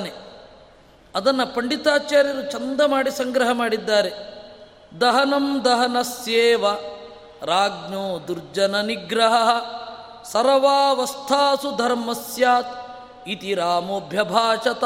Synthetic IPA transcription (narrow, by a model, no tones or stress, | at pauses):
ne | ɐd̪ɐnːɐpɐɳɖit̪aːt͡ʃaːɾjɐɾut͡ʃɐnd̪ɐmaːɽisɐŋɡɾɐɦɐmaːɽid̪ːaːɾe | d̪ɐɦɐnɐmd̪ɐɦɐnɐsjeːʋɐ | ɾaːɡnoːd̪uɾd͡ʒɐnɐniɡɾɐɦɐɦɐ | sɐɾɐʋaːʋɐst̪ʰaːsud̪ʱɐɾmɐsjaːt̪̚ | it̪iɾaːmobʱjɐbʱaːʂɐt̪